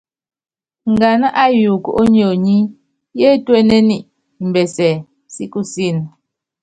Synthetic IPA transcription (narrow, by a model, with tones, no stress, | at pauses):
ŋ̩˨ɡa˨na˦ʔa˦ju˨ko̰˨ʔo˦ɲ˦o˨ɲi˦ | je˦twe˦ne˦ni˦ʔ | m̩˨bɛ˨sɛ˨ | si˦ku˦si˦˨n˨